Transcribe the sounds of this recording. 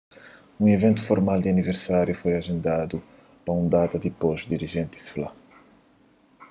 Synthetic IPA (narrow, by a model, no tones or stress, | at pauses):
ũevẽnt̪u̥foɾmalˠd̪ɪɐniveɾsaɾjufojɐʒẽnd̪ad̪u | pɾɐũd̪at̪ɐd̪ɨpɔʃd̪iɾiʒẽnt̪i̥sfla